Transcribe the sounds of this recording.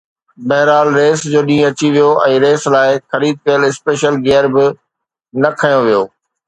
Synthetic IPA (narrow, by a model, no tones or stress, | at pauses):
bɐɦɾaːlɾeːsd͡ʑoːɗĩːɐt͡ɕiʋijoʔɛ̃ːɾeːslaːɪxɐɾiːd̪̚kɐjəlɪspeːʃəlɡeːəɾbɪ | nɐkʰɐjoʋijoː